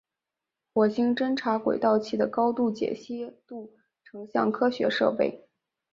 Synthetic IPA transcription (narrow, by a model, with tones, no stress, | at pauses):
xwɔ˧˩ɕi˥ŋʈ͡ʂə˥nʈ͡ʂʰa˧˥kwḛ˨˩ɪt̪ɑ˥˧ʊt͡ɕʰi˥˩d̪ə˩kɑ˥ʊt̪u˥˩t͡ɕjɛ̰˨˩ɕi˥t̪u˥˩ | ʈ͡ʂʰɤ˧˥ŋɕjɑ̰˥˩ŋkʰɤ˥ɕɥɛ˧˥ʂɤ̰˥˧pe˥˩ɪ